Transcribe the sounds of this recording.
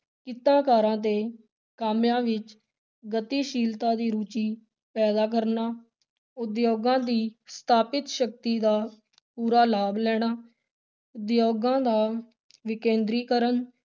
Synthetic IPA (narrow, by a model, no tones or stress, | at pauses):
kɪt̪ãːkaːɾãːt̪eː | kaːmjãːʋɪt͡ʃ | ɡət̪iːʃiːlt̪ãːd̪iːɾuːt͡ʃiː | pɛːd̪aːk̬əɾnaː | ʊd̪joːɡãːd̪iːst̪ʰaːpɪt̪ʃək̚t̪iːd̪aː | puːɾaːlaːblɛːɽ̃aː | ʊd̪joːɡãːd̪aː | ʋɪkẽːnd̪ɾiːkəɾən